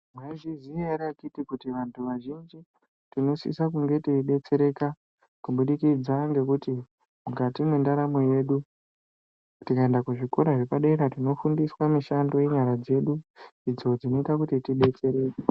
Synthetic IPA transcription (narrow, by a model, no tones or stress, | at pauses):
mwaiziziaɾiakitikutiʋantʰuʋaʒind͡ʒi | tino̞sḭsakuŋɡe̞tiɗe̞t͡se̞ɾe̞ka | kuɓuɗikid͡zaŋɡe̞kuti | mukatimwendaɾamoje̞ɗu | tikae̞ndakuʐiko̞ɾaʐepaɗeɾatino̞fundiswamiʃando̞je̞ɲaɾad͡ze̞ɗuid͡zo̞d͡zino̞itakutitiɗe̞t͡se̞ɾe̞ːke